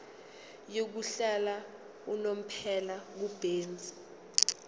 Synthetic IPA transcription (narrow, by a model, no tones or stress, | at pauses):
jok̬uɬala | unom̩pʰɛlak̬ub̥ʱeːnd͡zʱi